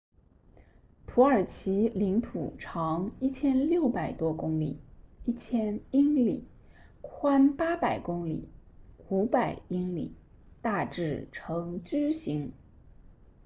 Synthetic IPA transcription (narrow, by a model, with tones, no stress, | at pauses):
t̪ʰu˧˥ə˞˨˩t͡ɕʰi˧˥li˧˥ŋt̪ʰṵ˨˩ʈ͡ʂʰɑ˧˥ŋi˥˩t͡ɕʰjɛ˥nljo˥˩ʊpa˨˩ɪt̪wɔ˥kʊ˥ŋlḭ˨˩˦i˥˩t͡ɕʰjɛ˥ni˥ŋlḭ˨˩˦ | kʰwa˥npa˥pa˨˩ɪkʊ˥ŋlḭ˨˩˦u˧˥pa˨˩ɪi˥ŋlḭ˨˩˦ | t̪a˥˧ʈ͡ʂɻ̩˥˩ʈ͡ʂʰɤ˧˥ŋt͡ɕy˥ɕi˧˥ŋ